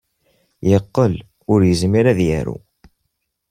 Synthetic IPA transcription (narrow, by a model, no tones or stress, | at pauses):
jəqːəl | ʊɾjəzmiɾæðjæ̰ɾṵ